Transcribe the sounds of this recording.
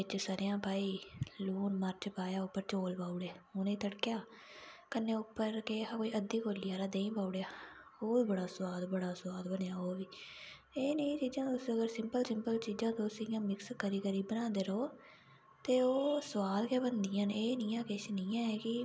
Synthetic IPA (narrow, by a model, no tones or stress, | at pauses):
ɪt͡ʃsaːɾjãːpaːiːluːnməɾt͡ʃpaːjaːʊpːəɾt͡ʃoːlpaːuɽeːoːnẽːt̪əɽkɪjaː | kənːeːʊpːəɾkeːakoːiːəd̪ːiːkoːliːaːɾaːd̪eːĩːpaːuɽejaːoːbəɽaːsəʋaːd̪bəɽaːsʋaːd̪bənjaːoːʋiː | eːnẽːt͡ʃiːd͡ʒãːt̪osəɡəɾsɪmpəlsɪmpəlt͡ʃiːd͡ʒãːd̪oːsɪjãːmɪkskəɾiːkəɾiːbənãːd̪eːɾoː | t̪eːoːsəʋaːlkeːbənd̪ɪjãːneːnɪːãːkɪʃniːãːɛːkɪ